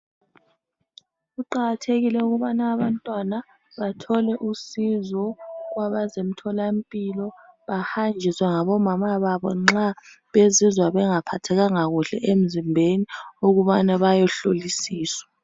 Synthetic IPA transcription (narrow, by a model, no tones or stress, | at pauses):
ɣuǃaɣatʰeɣilɛuɣuβanaːβantʼwana | βatʰɔlɛʔusizɔɣwaβazem̩tʰɔlampʼilɔβahand͡ʒʱiswɛŋaβɔmamaβaβɔ̰ŋ͡ǁa | βezizwaβɛŋapʰatʰɛɣaŋaɣuɬɛʔem̩zimbʱeniuɣuβanaβajɔɬolisiːswḁ